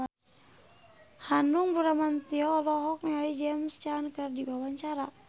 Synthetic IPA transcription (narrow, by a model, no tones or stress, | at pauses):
hanuŋbuɾamant̪iɔlɔɦɔk̚nialid͡ʒɛmst͡ʃankərdibawaɲt͡ʃaɾa